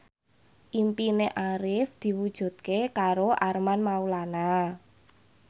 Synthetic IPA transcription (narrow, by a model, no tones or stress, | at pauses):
ʔimpineʔaɾɪfd̪̥i̤wud̥ʒ̥ṳt̪̚kekaɾoʔarmanmaulana